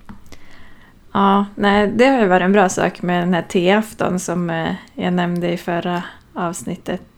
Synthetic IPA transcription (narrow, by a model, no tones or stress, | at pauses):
ʔɑːnæɪd̪ɛhaɾjəvɑːɾɪɛnbɾɑːsɑ̰ːkmɛd̪ɛnhæːʈʰeːaft̪ɔ̰nsɔmjɑ̰ɡnɛmnd̪əɪfœɾa | ɑːvsnɪt̪ʰːət̪